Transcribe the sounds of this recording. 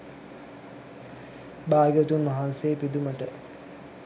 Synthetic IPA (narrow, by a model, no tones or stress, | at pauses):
baːɡət̪unʋɐɦansepid̪uməʈə